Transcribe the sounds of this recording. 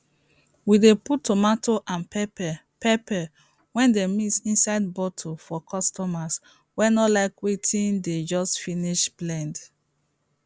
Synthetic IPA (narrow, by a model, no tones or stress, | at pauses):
wideputːomatʰoʔãnpɛp | pɛpɛ | wɛ̃ndemitsĩnsaɪd̚bɔtʰofɔkʰɔstɔmas | wɛnɔlaɪkwetʰĩnded͡ʒɔstfiniʃblɛ̃nd